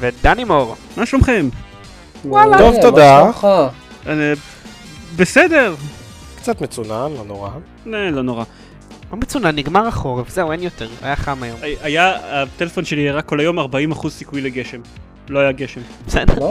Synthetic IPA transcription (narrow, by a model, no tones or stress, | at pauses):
ved̪animoʁ | maʃomχeem | walad̪ovt̪oda | besede̞ʁ | kt͡sat̪met͡sunanlonoʁa | nelo̞no̞ʁa | mamet͡sunanːiɡmaʁaχo̞ʁevzeuenjot̪eʁa̰jaχamajomajaːt̪elefo̞nʃeliaʁakːo̞lajo̞maʁbaimaχuzsikujleɡe̞ʃe̞m | lo̞ajaɡe̞ʃembesedeʁ